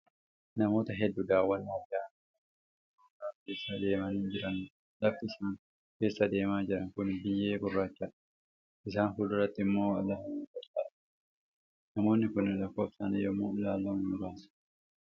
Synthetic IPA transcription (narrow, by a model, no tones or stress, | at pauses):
nɐmo̞ːt̪ɐɦɛd̪ːʊd̪aːwːɐnːɐɡaː | ʊkaːkeːsɐd̪e̞ːmɐniːnd͡ʒɪɾɐn | lɐfɪɪsaːn | ke̞ːsːɐd̪e̞ːmaːd͡ʒɪɾɐŋkʊnbɪjːe̞ːbʊrːaːt͡ʃːɐᶑɐ̥ | ʔɪs̬aːnhʊᶑʊrːɐt̪ːɪmːoːɐlːɐhɪnukɐɾt͡ʃɐᶑɐ | nɐmo̞ːnːɪkʊnːɪlɐkːoːfsɐnɛjɔmːoːlaːlːoːmʊɾaːsɐ̥